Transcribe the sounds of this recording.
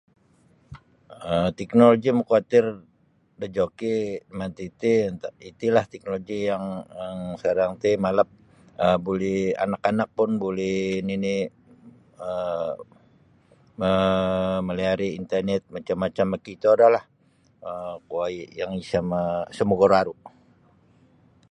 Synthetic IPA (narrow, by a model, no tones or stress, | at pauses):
ət̪ɛknoloɡiməkuat̪ɪr | dəd͡ʒokimant̪it̪int̪ait̪ilaht̪ɛk̚noloɡijaŋaŋsadaŋt̪imaləp̚ | əbulɛa̰nakanak̚pʊnbulɛhnini | ə | məməliaɾiint̪ərnɛt̪̚mat͡ʃamːat͡ʃamːakit̪oadalah | əkoaijaŋisamasəmuɡoɾaɾu